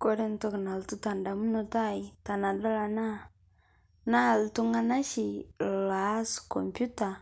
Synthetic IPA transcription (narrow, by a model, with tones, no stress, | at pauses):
ko˦ɾe˦n̩˦to˦kna˨ltu˦ta˨nda˨mu˦no˦˨ta˦i˨ta˨na˨dɔ˦la˨na˦ | na˦˨ltu˦ŋɡa˦na˦ʃi˨la˨˦skɔ˨mpju˦ta˨